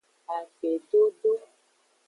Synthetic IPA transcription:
a˨k͡pe˨ɖo˦ɖo˦

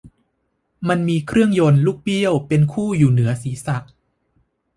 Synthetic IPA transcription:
ma˧nmiː˧kʰɾɯ˥˩əŋjo˧nluː˦˥˩k̚pi˥˩əwpe˧nkʰuː˥˩juː˨˩nɯ˩˦ɐsiː˩˦sa˨˩ʔ̚

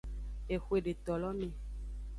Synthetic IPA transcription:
e˨xwe˦˨ɖe˨t̪ɔ˨lɔ˦mẽ˨

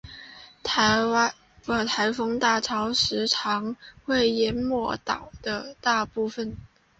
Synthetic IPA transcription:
ə˨˧˩t̪ʰa˧˥ɪfɤ˥ŋt̪a˥˩ʈ͡ʂʰɑ˧˥ʊʂɻ̩˧˥ʈ͡ʂʰɑ˧˥ŋxwe˥˩ɪjɛ˧˥nmwɔ˧˥˩t̪ɑ˨˩ʊd̪̥ə˦t̪a˥˧pu˥˩fə˨˩n

